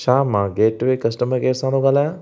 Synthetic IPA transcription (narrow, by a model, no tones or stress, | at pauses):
ʃaːmãːɡeːʈʋekɐsʈəməɾɡeːsãːnd̪oɡalaã